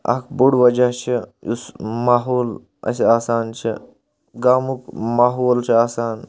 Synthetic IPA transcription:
ɐ̰kʰbuɽʋɐd͡ʒaɦt͡ʃʰiṵsmaːɦoːl | ɐ̰saːsaːnt͡ʃʰi | ɡaːmukmaːɦoːlt͡ʃʰiaːsaːn

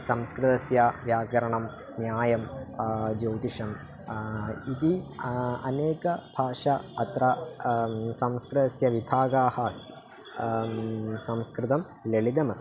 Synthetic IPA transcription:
sɐmskɾɨt̪ɐsjɐʋjaːɡɐɾɐɳɐm | njaːjɐm | d͡ʒoːt̪iʂɐm | id̪i | ɐneːkɐbʱaːʂɐɐt̪ɾɐ | sɐmskɾɨt̪ɐsjɐʋibʱaːɡaːhaːst̪i̥ | sɐmskɾɪt̪ɐm | leɭid̪ɐmɐs

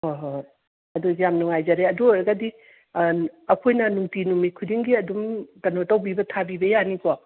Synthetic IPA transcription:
hoɦoj | ɐdujamnuŋajzɐɾeɐdujɡadi | ɐkʰojnɐnuŋtinumikʰudiŋɡiɐdumkɐnotɐwbibɐtʰabibɐjaniko

